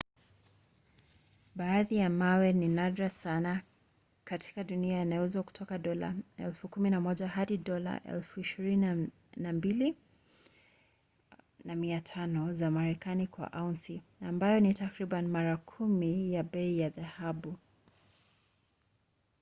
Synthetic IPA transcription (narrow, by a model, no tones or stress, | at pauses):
ɓaːðijamawɛninadɾasana | katʰi̥kaɗuniajanajɔɛzwaku̥tʰɔkaɗɔla̰ɛ̰lfukuminamɔʄahaɗiɗɔla̰ʔɛ̰lfuiʃiɾin | nambili | namiatʰanɔzamaɾɛkanikwa̰ʔantiambajɔnitakɾiɓanmaɾakʰumijaɓɛijaðahaɓu